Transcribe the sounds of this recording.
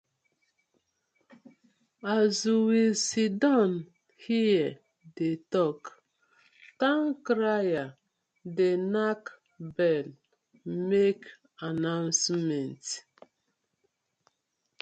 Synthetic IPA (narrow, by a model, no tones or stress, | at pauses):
azjiwilsidãn | hiɛ | detɔk | tãŋkɾaja | denak | bɛl | mek | anãʊnsmɛ̃nt